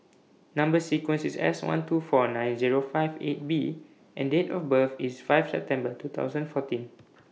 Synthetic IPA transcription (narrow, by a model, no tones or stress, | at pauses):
nãmbəsikwə̃nsisɛ̰swã̰ntʰufɔnãjnziɹofaɪvḛt̚bi | ʔɛ̰̃ndetɔfbəfisfajfsɛ̰p̚tɛ̃mbətut̪ʰa̰ʊzə̃nfɔtĩn